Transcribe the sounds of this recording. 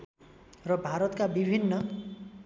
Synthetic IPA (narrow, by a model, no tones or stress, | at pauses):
rʌbʱaɾʌt̪kabibʱinːʌ